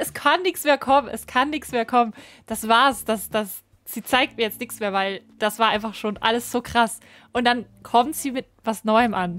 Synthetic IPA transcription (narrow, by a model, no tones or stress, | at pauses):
ɛskʰanːɪçt͡smeːɐkʰɔmənʔɛskʰanːɪçt͡smeːɐkʰɔmən | d̥asv̥aːɐsd̥asd̥as | z̥iːt͡saɪk̚t̚miːɐjɛt͡stnɪçt͡ssmeːɐvaɪl | d̥asv̥aːɐʔaɪnfaχʃoːnʔa̰ləsz̥oːkʁ̥as | ʔʊntd̥ankʰɔmtz̥iːmɪt̚v̥asnɔʏəmʔan